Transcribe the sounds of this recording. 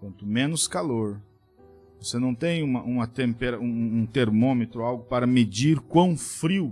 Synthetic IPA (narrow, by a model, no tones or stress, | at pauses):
kwɐ̃nt̪ʊmẽnʊskaloɾ | vosenɐ̃w̃t̪ẽj̃ũmɐʔũmɐt̪ẽmpeɾɐũũt̪eɾmomet̪ɾʊawɡʊpaɾɐmed͡ʒiɾkwɐ̃w̃fɾiw